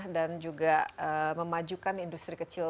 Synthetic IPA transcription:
dand͡ʒuɡaəməmad͡ʒukanindust̪ɾikət͡ʃil

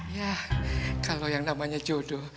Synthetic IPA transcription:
ja | kalojaŋnamaɲad͡ʒodo

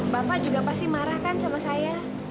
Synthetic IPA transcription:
bapad͡ʒuɡapast̪imaɾahkansamasaja

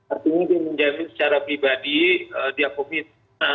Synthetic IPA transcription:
art̪iɲadiaməɲd͡ʒamɪnsə̥t͡ʃaɾapɾibadiədiakomit̪̚ | a

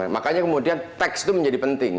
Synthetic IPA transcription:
makaɲakəmudiant̪ɛkst̪uməɲd͡ʒadipənt̪ɪŋ

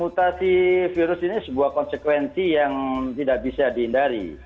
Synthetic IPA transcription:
mut̪asifiɾʊsinisəbuahkɔnsəkwɛnsijaŋt̪idaʔ̚bisadihindaɾḭ

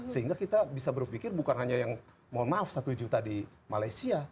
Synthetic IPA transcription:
səɦiŋɡakit̪abisabərfikɪrbukanɦaɲajaŋ | manmafsat̪ud͡ʒut̪adi | malajsia

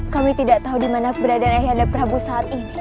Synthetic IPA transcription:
kamit̪idaʔt̪aɦudimanabəɾadanaɦjanapəɾabusaːt̪̚ini

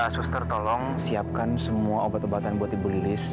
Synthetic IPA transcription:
asust̪ərt̪olɔŋsiap̚kansəmuaobat̪obat̪anbuat̪ibulilɪs

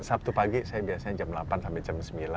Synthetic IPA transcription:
sap̚t̪upaɡisajabiasaɲad͡ʒamlapansampɛd͡ʒamsəmbila

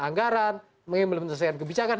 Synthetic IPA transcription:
aŋɡaɾan | məŋiməlmənsas̬aankəbit͡ʃakan

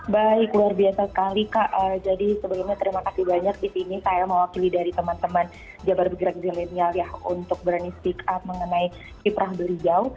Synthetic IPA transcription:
baikluarbiasasə̥kalikaʔəd͡ʒadisəbaɡaɲat̪əɾimakasibaɲak̚disinisajaməwakilidaɾit̪əmant̪əman | d͡ʒabarbəɡɾak̚zelenialjahṵnt̪ʊk̚bɾanispikap̪̚məŋənaj | kipɾahbəlid͡ʒau

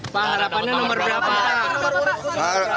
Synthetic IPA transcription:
paɦaɾapanɲanɔmərbapaɦaɾa | a

